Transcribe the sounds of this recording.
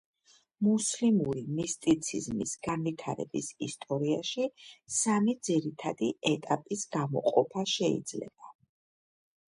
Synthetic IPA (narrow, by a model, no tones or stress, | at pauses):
muslimuɾimist̪ʼit̪sʰizmisɡ̥anvit̪ʰaɾɛ̰bḭsist̪ʼɔɾiaʃisamid̪ziɾit̪ʰad̪iɛt̪ʼapʼisɡ̥amɔ̰qʼɔpʰaʃɛḭd̪zlɛ̰b̥a